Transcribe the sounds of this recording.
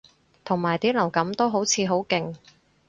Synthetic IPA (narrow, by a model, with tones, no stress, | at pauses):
t̪ʰʊ˨˩ŋmaː˨jt̪iː˥lɐ˨˩wkɐ˨˥mt̪o˥wɦo˨˥wt͡sʰiː˨˧ɦo˨˥wkɪ˨ŋ